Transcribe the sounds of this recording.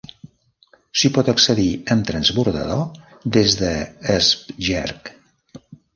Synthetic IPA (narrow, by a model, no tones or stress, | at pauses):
sipɔt̪əksəðiəmt̪ɾənzβuɾðə̰ðo | ðezðəːspʒɛ̰ɾk